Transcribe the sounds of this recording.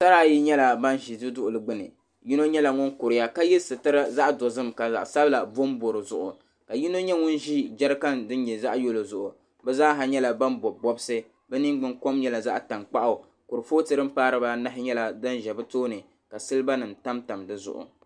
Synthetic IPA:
sa˦ɾa˦˨ji˦ɲɛ˦la˨ba˦nʒi˨dɨ˦dʊ˦ʔʊ˨lɨ˨ɡ͡bɨ˦nɨ̰˨ | ji˦no˦ɲɛ˦la˨ŋʊ˦nkʊ˨ɾɪ˨ja˦ka˦jɛ˦sɨ˨tɨ˦ɾa˦za˦ʔdo˨zɨ˦mka˨a̰˨ʔsa˦bɨ˦la˨bo˦mbo˨ɾɨ˨zʊ̰˨ʔʊ̰˨ | ka˨ji˦no˦ɲɛ˦ŋʊ˦nʒi˦d͡ʒa˦ɾɨ˦ka˦ndɨ˦ɲɛ˨za˦ʔjo˦lo˨zʊ˨ʔʊ˨ | bɛ˦zaː˦ɦa˨ɲɛ˦la˨ba˦nbɔ˨bɔ˦bɨ˦sɨ˦ | bɛ˦nɨ˦ŋ˦ɡ͡bɨ˨ŋko˦mɲɛ˦la˨za˦ʔta˨ŋk͡pa˦ʔa˨ | kʊ˨ɾɨ˨foː˦tɨ˨ɾɨ˦m̩˦paː˦ɾɨ˦ba˦na˦ɦɪ˦ɲɛ˦la˨da˦nʒɛ˨bɨ˦toː˦nɨ˨ | ka˨sɨ˦lɨ˦ba˦nɨ˨nta˦mta˨mdɨ˦zʊ̰˨ʔʊ̰˨

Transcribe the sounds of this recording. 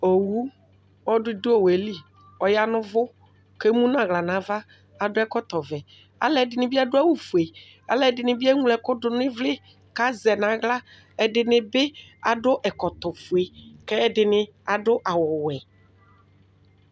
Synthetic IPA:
o˨wu˦ | ɔ˦dʊ˦dʊ˦o˨we˨li˦ | ɔ˨ja˦nʊ̃˦vʊ˦ | ke˦mũ˦nã˨ɣla˨nã˨˦va˦ | a˨dʊ˦ɛ˦kɔ˦t̪ɔ˨vɛ˨ | a̰˨lɛ˨dɪ˨nɪ̃˨bi˦a˦dʊ˦a˦wu˨fu˨e˨ | a̰˨lɛ˨dɪ˨nɪ̃˨bi˦ɛ˦ŋu˦lɛ˨kʊ˦dʊ˨nɪ̃˦vlɪ˦ | ka˦zɛ˨nã˨˦ɣla˦ | ɛ˨dɪ˨nɪ̃˨bɪ˦a˨dʊ˦ʔɛ˨kɔ˨t̪ɔ˨fu˨e˨kɛ˦ɛ˨dɪ˨nɪ̃˨a˨dʊ˦ʔa˨wɔ˨wɛ˨

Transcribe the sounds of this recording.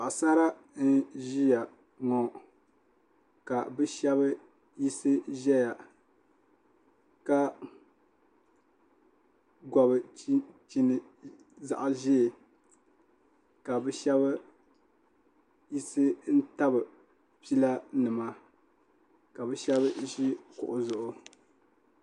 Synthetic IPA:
ba˨ʔsa˦ɾa˦ | n̩˦ʒi˦ja˨ | ŋɔ˨˦ | ka˨bɨ˦ʃɛ˦βɨ˦ | ji˦sɨ˦ʒɛ˦ja˨ | ka˦ | ɡɔ˨bɨ˨˦t͡ʃi˦nɨ˦ | za̰˨ʔa˨ʒɛ˦˨ | ka˨bɨ˦ʃɛ˦βɨ˦ | ji˦sɨ˦n̩˦ta˦bɨ˨ | pi˦la˦nɨ˨ma˦ | ka˨bɨ˦ʃɛ˦βɨ˦ʒi˦kʊ̰˨ʔʊ˨zʊ˨ʔʊ˨

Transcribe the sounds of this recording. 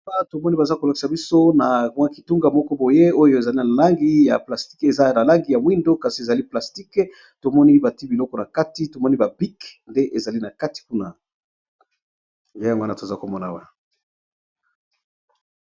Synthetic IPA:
a˦to˨mɔ˦ni˦ba˨za˦ko˨la˨ki̥˨sa˨bi˦so˦na˨mwa˦ki˨tu˦ŋɡa˨mɔ˦kɔ˦bo˨je˦o˦jo˦˨e˨za˨li˦na˨la˦ŋɡi˦ja̰˨pla˨sti̥˦ke˨za˦na˨la˦ŋɡi˨ja˨mwi˦ndo˦ka˨si˨e˨za˨li˦pla˨sti˦k | to˨mɔ˦ni˦ba˨ti˦bi˨lɔ˦kɔ˨na˨ka˦ti˦to˨mɔ˦ni˦ba˨bi˦knde˦ʔe˨za˨li˦na˨ka˦ti̥˨ku˦na˨ | nje˦ja˨ŋɡo˦na˨to˨e˨za˦ko˨mɔ˦na̰˨wa˦

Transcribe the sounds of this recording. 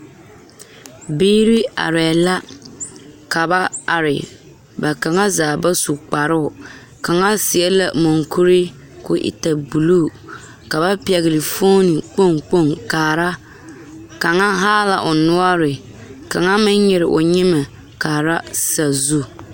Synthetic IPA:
biː˦ɾi˦a̰˨ɾɛ˨la˦ | ka˨ba˦a˨ɾɪ̰˨ | ba˨ka˨ŋa˦zaː˨ba˦su˨k͡pa˨ɾʊ˦ʊ˨ | ka˨ŋa˦sɪ˨ɛ˦la̰˨mo˨ŋku˦ɾɪ˦ | kʊ˦ʔɪ̰˦ta˨bu˨lu˦˨ | ka˨ba˦pi˦ɛ˨ɣɪ˨lɪ˨fo˦ni˨k͡po˦˨ŋk͡po˦˨ŋkaː˨ɾa˦ | ka˨ŋa˦ɦaː˦la˨ʔʊ˨nʊ˦ɔ˦ɾɪ˨ | ka˨ŋa˦mɪ˦ɲɲɛ˨ɾɪ˨ʔʊ˨ɲɪ˦mɛ˨ | kaː˨ɾa˦sa˨zu˦

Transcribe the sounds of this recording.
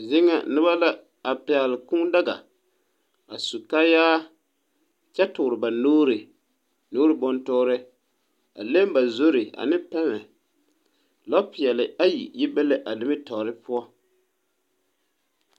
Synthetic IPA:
zɪ˦ŋa̰˨nɪ˦ba˦la˦ | a˨pɪ˨a˨lɪ˨ku˦da˦ɡa̰˨ | a˨su˨ka˦jaː˦ | t͡ʃɛ˦tʊ˨ɾɪ˨ba˨noː˦ɾɪ˨ | noː˦ɾɪ˨bɔ˦ntɔː˦ɾɪ˦ | a̰˨le˦m˦ba˨zo˦ɾɪ˨a̰˨nɪ˦pɛ˦ŋɛ˨ | lɔ˦pɪ˨ɛ˨lɪ˨a˦jḭ˨jɪ˦bɛ˦le˦ʔa˨lɪ˨˦mɪ˦tɔ˨ɾɪ˦pʊ˦ɔ˦

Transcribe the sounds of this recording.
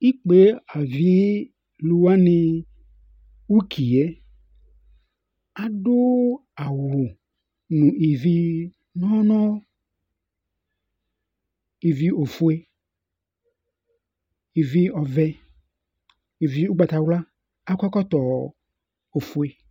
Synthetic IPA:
i˦k͡pe˨˦a˨vi˦ | lu˧wa˦nɪ̃˧ | u˦kʰi˨ɛ˦ | a˨do˦a˨wʊ˨ | nũ˨ʔi˨vi˦ | nɔ̃˦nɔ̃˦ | i˨vi˦o˨fu˦e˦ | i˨vi˦ɔ˨vɛ˦ | i˨vi˦u˦ɡ͡ba˨t̪a˨wla˦ | a˦kʷa˦kɔ˦t̪ɔ˨ | o˨fu˨e˨

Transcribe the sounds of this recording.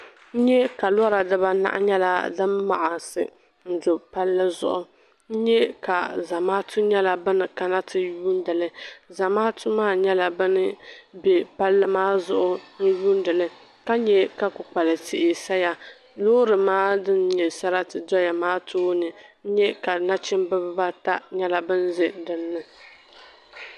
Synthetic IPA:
n̩˦ɲɛ˦ka˨la˦ɾa˨dɨ˦ba˦na̰˦ʔa̰˦ɲɛ˦la̰˨dɨ˦mːa̰˨ʔa˨sɨ̰˨ | n̩˦dʊ˨pa˦lːɨ˦zʊ̰˦ʔʊ˨ | n̩˦ɲɛ˦ka˨za˨maː˦tʰʊ˦ɲɛ˦la˨bɨ˦nɨ˨ka˦na˦tʰɨ˨juː˦n˦dɨ˨lɨ˦za˨maː˦tʊ˦maː˦ɲɛ˦la˨bɨ˦nɨ˦bɛ˨pa˦lːɨ˦maː˦zʊ˦ʔʊ˦n̩˦juː˦n˦dɨ˨lɨ˦ | ka˦ɲɛ˨ka˦kʊ˨k͡pa˨lɨ˨tɪ˦ʔɪ˨sa˦ja˨ | loː˦ɾɨ˨maː˦dɨ˦nɲɛ˨sa˦ɾa˦tɨ˨dɔ˦ja˨maː˦tʰoː˦nɨ˨n̩˦ɲɛ˦ka˨na˦t͡ʃɪ˦m˦bɨ˦bba˦ta˦ɲɛ˦la˨bɨ˦n˦zɪ˦dɨ˦nːɨ˦

